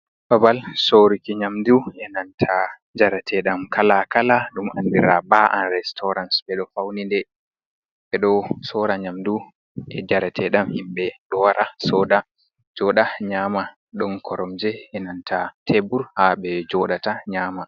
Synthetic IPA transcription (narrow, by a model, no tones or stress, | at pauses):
babalsoɾikiɲamduɛnantʰa | d͡ʒaɾatʰɛɗamkʰalakalaɗuma̰ndiɾabaʔanɾɛstʰɔɾansɓɛɗɔfawnindɛ | ɓɛɗɔsɔɾaɲamdu | ʔɛd͡ʒaɾatʰɛɗamhimɓɛɗɔwaɾʔasɔːda | d͡ʒɔɗaɲaːma | ɗɔnkʰɔɾɔmd͡ʒɛɛnantʰatʰebuɾhaɓɛd͡ʒɔɗataɲaːma